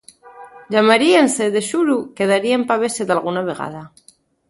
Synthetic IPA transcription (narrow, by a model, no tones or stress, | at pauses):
ʎamaɾienseðeʃuɾukeð̞aɾiempaβ̞esed̪alɣ̞unaβ̞eɣa̰ð̞a